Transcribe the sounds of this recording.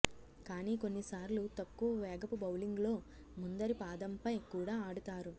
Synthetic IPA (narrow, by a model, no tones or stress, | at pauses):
kaːniːko̞nːisaːɾlut̪ɐkːuʋɐʋɛːɡɐpubɐwliŋɡlo̞ː | mund̪ɐɾipaːd̪ɐmpɐjkuːɽaːaːɽut̪aːɾu